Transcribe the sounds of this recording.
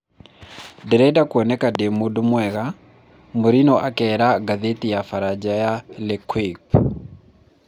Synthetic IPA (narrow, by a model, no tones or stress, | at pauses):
dɛɾɛdakwɔnɛkademodmwɛɣa | moɾinɔʔakɛɾaɡaðetijafaɾad͡ʒajalekwip